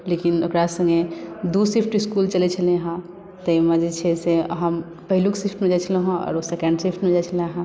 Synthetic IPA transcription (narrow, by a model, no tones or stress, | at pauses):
lekinokɾasə̃ŋɡed̪usipʰʈiskult͡ʃəlet͡ʃʰəlẽɦã | t̪əiməd͡ʒet͡ʃʰeseɦəm | pəɦilũksipʰʈmẽd͡ʒat͡ʃʰəleɦɛ̃ɔ̰ːɾosɛkə̃ɳɖsipʰʈmẽd͡ʒat͡ʃʰəleɦã